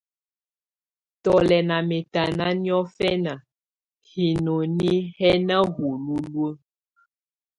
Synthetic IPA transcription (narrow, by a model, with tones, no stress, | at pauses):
t̪ɔ˨lɛ˨nã˨me˨t̪a˨nã˦nĩ˦ɔ˦fɛ˦nã˨ | hi˨nõ˨nĩ˦hɛ˦nã˦ɣu˨lu˦lu˦ə˦